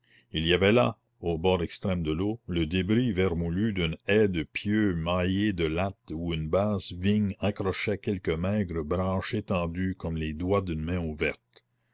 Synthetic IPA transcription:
iliavɛla̰ | obɔːʁɛkst̪ɾɛmd̪əloləd̪ebɾivɛʁmulyd̪ynɛd̪əpʰjømajed̪əlat̪uynbaːzviɲãkɾɔʃɛkɛlkəmɛɡɾəbɾɑ̃ːʃet̪ɑ̃d̪ykɔmled̪wad̪ynmɛ̃uvɛʁt̪

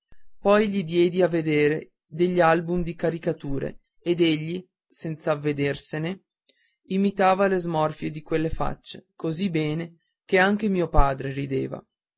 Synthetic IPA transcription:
pɔjʎid̪jɛːd̪iavːed̪eːɾe | d̪eʎːalbumd̪ikaɾikat̪uːɾḛː | d̪eʎːi | sɛnt̪savːed̪ersene | imit̪aːvalezmɔrfjed̪ikwelːefa̰t͡ʃːe̥kozibɛːne | keaŋk̟emiːopaːd̪ɾeɾid̪eːva̰

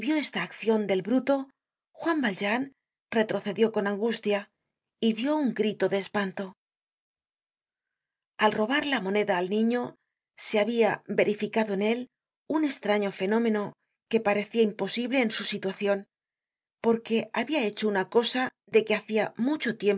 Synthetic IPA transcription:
βjo̞e̞st̪aːkθjo̞nd̪e̞lβɾut̪o̞ | xwambalʒan | re̞t̪ɾo̞θe̞ðjo̞ko̞nãŋɡust̪ja | iðjo̞uŋɡɾit̪o̞ðe̞ːspant̪o̞ | alro̞β̞aɾlamo̞ne̞ðaːlnĩɲo̞ | seaβiabe̞ɾifikaðo̞ene̞l | une̞st̪ɾaɲo̞fe̞no̞mẽ̞no̞ | ke̞paɾe̞θiaimpo̞siβle̞ːnsusit̪waθjo̞n | po̞ɾke̞aβiae̞t͡ʃo̞unako̞sa | ðe̞keaθiamut͡ʃo̞t̪je̞m

